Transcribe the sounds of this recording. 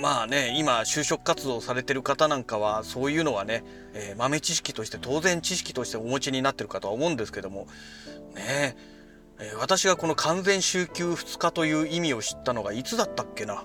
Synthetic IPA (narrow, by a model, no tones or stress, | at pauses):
maːne̞imaɕɨːɕo̞kɯ̟̥kːat͡sɨd̪o̞ːsaɾe̞t̪e̞ɾɯ̟kat̪anãŋkaβ̞aso̞ːjɯ̟ːno̞βane̞ | eːmame̞t͡ɕiɕi̥kʲi̥t̪o̞ɕi̥t̪e̞t̪o̞ːzẽ̞ɲ̟t͡ɕiɕi̥kʲi̥t̪o̞ɕi̥t̪e̞omo̞t͡ɕiɲ̟inat̪ːe̞ɾɯ̟kat̪o̞βaomo̞ɯ̃nd̪e̞sɨ̥ke̞d̪o̞mo̞ | ne | eːβ̞at̪aɕiɡako̞no̞kʰãñd͡zẽ̞ɰ̃ɕɨːkʲɨːɸɯ̟̥t͡sɨ̥kat̪o̞jɯ̟ːimʲio̞ɕi̥t̪ːano̞ɡait͡sɨd̪at̪ːakːe̞na